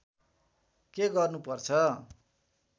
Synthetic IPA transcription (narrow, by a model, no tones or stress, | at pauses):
keɡʌrnupʌrt͡sʰʌ